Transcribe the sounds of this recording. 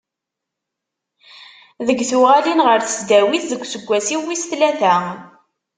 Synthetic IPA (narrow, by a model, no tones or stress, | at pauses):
ðəɡθʊʁalinʁəɾθə̥sd̪æwiθðəɡʷːsəɡʷːæsiwːisθlæθæ